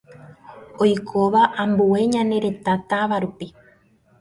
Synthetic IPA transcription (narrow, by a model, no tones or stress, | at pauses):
ojkʰo̞ʋaʔãmbue̞ɲãne̞ɾe̞t̪at̪aʋaɾupi